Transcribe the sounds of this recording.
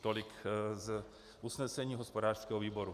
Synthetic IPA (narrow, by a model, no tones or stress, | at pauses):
t̪olɪkz | ʔusnɛsɛɲiːɦospodaːr̥skɛːɦoviːboɾu